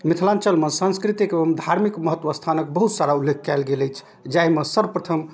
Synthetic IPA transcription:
mit̪ʰlant͡ʃəlməsə̃ñskɾit̪ikeəmd̪ʱaɾmikməɦət̪ːʋəst̪ʰanəkbəɦut̪saɾaulːekʰːalɡeləjt͡ʃʰ | d͡ʒaɦiməsəɾpɾət̪ʰəm

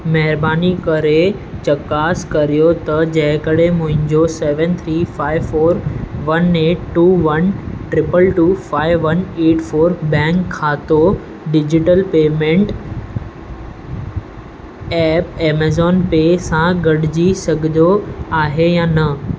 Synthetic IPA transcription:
mɐɦɪɾbaːnikɐɾe | t͡ɕɐkaːskɐɾijot̪ɐd͡ʑɐ̃ɦɪ̃kəɽemʊ̃ɦɪ̃ɲd͡ʑoseːʋə̃nt̪ʰɾiːfaːɪʋfoːɾʋɐneːʈʈːuːʋɐnʈɾɪpəlʈuːfaːɪʋːɐneːʈfoːɾbɛ̃ːŋkʰːaːt̪o | ɖɪd͡ʑɪʈəlpeːmẽːɳʈ | ɛːpeːmeːzɔːnpeːsãɡɐɽɪd͡ʑisɐɡʱɪd̪oaːɦejaːnɐ

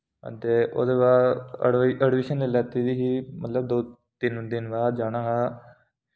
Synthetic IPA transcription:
ə̰t̪eːʔo̰ːd̪eːbaː | əɖʋiːʃənlelɛːt̪iːd̪iːɦiːmət̪ləb̚d̪oː | t̪ɪnd̪ɪnbaːd̪d͡ʒaːnãːɦaː

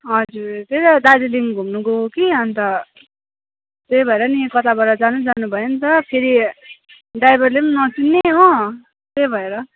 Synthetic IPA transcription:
ɦʌd͡zuɾt̪ejɾʌd̪adiliŋɡʱumnuɡoɦkiʌnt̪ʌ | t̪ejbʱʌeɾʌnikʌt̪abʌɾʌd͡zanud͡zanubʱʌjonit̪ʌpʰeɾi | ɖajbʌrlemnʌt͡sinːeɦo | t̪ejbʱʌeɾʌ

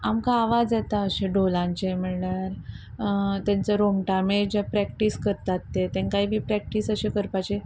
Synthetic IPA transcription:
amkaːʋad͡zet̪aəɕeɖolãɲt͡ɕem̤əɭljaɾ | t̪jãnt͡səɾomʈamed͡ʑapɾɛk̚ʈiskəɾt̪at̪ːet̪ẽkaɦibiːpɾɛk̚ʈisəɕekəɾpat͡ɕe

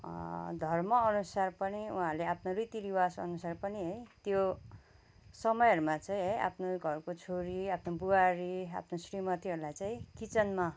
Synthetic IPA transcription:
d̪ʱʌrmʌʌnusarpʌniṵɦãɾleapʰnorit̪iɾiwasʌ̰nusarpʌniɦʌjt̪jo | sʌmʌjʌɾumat͡saĩɦʌjʔa̰pʰnoɡʱʌrkot͡sʰoɾiapʰnobuaɾia̰pʰnosrimʌt̪iɦʌɾulajt͡saĩkit͡sʌnma

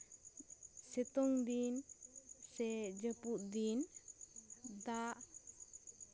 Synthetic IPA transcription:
sɛt̪ɔŋd̪in | sɛd͡ʒəpuʔ̪̚d̪in | d̪aʔ

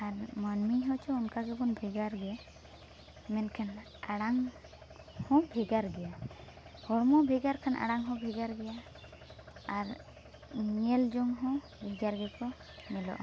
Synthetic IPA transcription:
aɾmanmiɦɔt͡ʃʰɔunkaɡɛbɔnbʱɛɡaɾɡɛ | mɛnkʰan | aɽaŋ | hɔ̃bʱɛɡaɾɡɛja | hɔɾmɔbʱɛɡaɾkʰanʔa̰ɽaŋɦɔ̃bʱɛɡaɾɡɛja | ɾ | ɲɛld͡ʒɔŋɦɔ̃ | bʱɛɡaɾɡɛkɔ | mɛlɔ̰ʔa̰

